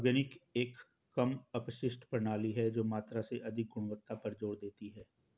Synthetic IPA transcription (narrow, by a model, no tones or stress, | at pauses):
ɔɾɡənɪkeːkː | ɐmɐpʃɪsʈpɾənaːliɦɛd͡ʒoːmaːt̪ɾaseʔɐd̪ʱɪk̚ɡʊɽ̃ʋət̪ːapɐɾd͡ʒoːɽd̪eːt̪iɦɛː